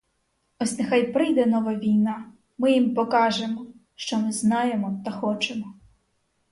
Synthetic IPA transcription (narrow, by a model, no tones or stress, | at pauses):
ɔsʲnexɑjpɾɪjd̪ɛnɔʋɐʋʲijnɑ | mɪjimpɔkɑʒemɔ | ʃt͡ʃɔmɪznɑjemɔt̪ɐxɔt͡ʃemɔ